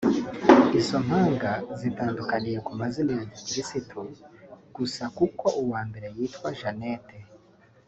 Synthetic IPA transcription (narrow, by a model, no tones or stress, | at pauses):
iso̞m̥haːŋɡazitaːndukanije̞kumazinivikiɾisitʰuɡ̥usakuko̞ʔuwaːmbe̞ɾe̞jiːtwaʒanete